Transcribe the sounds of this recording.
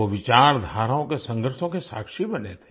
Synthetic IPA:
oʋɪt͡ʃaːɾd̪ʱaːɾaõkesə̃ŋɡəɾʃõkesa̰ːkʃibɐnḛːt̪ʰe

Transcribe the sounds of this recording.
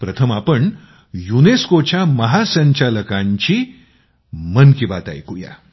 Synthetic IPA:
pɾət̪ʰəmapəɳ | juneskot͡ɕjaməɦasəɲt͡ɕaləkãɲt͡ɕiː | mənkibat̪a̰jkuja̰

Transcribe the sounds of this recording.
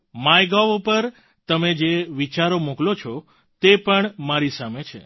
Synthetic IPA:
majɡaʋupəɾ | t̪əmed͡ʒeʋit͡ʃaɾomuklot͡ʃʰɔ | t̪epəɳmaɾisamet͡ʃʰḛ

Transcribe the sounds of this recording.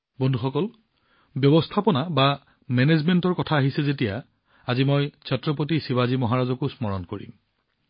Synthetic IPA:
bɔndʱuxɔkɔl | bjɔbɔstʰapɔnaba | mɛnezmentɔɹkɔtʰaːɦisɛzetija | azimɔjsɔtɹɔpot̬isiβazimɔɦaɹazɔkusmɔɹɔnkoɹḭm

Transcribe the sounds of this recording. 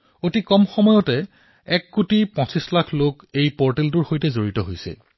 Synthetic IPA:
otikɔmxɔmɔjɔtɛ | ɛkːutipɔ̃sislakʰlok | ejpɔɹtelduɹxojtɛzoɹitɔɦojsɛ̰

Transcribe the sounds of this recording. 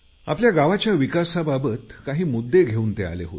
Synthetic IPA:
a̰pljaɡaʋat͡ɕjaʋikasababət̪kaɦiːmud̪ːeɡʱeuːnt̪ea̰leɦot̪

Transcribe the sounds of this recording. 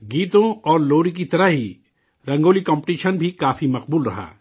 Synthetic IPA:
ɡiːt̪õɔːɾloːɾik̬it̪ɐɾəɦɦi | ɾɐ̃ŋɡoːlikɔ̃ːmpʈiːʃənbʱikaːfimɐqbuːlɾɐ̰ɦa̰ː

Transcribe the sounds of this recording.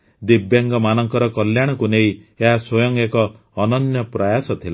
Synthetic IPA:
d̪ibjaŋɡɔmanɔŋkɔɾɔkɔljaɽ̃ɔkunejeɦaswɔjɔŋekɔː | nɔnjɔpɾajasɔt̪ʰila

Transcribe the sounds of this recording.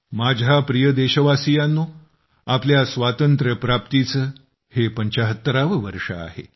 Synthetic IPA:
mad͡ʑʱapɾijəd̪eɕəʋasijanːuː | apljasʋat̪ənt̪ɾəpɾap̚t̪it͡səː | hepəɲt͡ɕaɦət̪ːəɾaʋəʋəɾʂə̰a̰ɦḛ

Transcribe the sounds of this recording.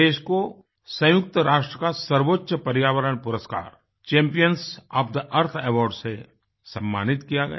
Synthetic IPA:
eːʃko | sɐ̃jʊk̚t̪əɾaːʃʈɾəkasɐɾʋoːtːʃəpɐɾjaːʋəɾəɳpʊɾəska̰ːɾ | t͡ʃɛ̃ːmpijənsɔːfd̪əʔɐɾt̪ʰɛːʋɔːɾɖse | sɐ̃mːa̰ːnɪt̪kijaɡɐ̰ja

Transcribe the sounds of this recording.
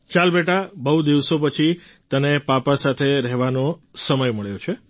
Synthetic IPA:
t͡ʃalbeʈabəud̪iʋsopət͡ʃʰi | t̪ənepapasat̪ʰeɾɛɦʋanosəməjməɭjot͡ʃʰe

